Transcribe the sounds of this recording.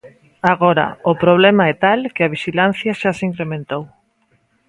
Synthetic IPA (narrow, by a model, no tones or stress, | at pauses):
aɣoɾa̰ʊpɾoβ̞lɛmaɛt̪alkeaβiʃilan̟θjɐʃasiŋkɾemẽnt̪ow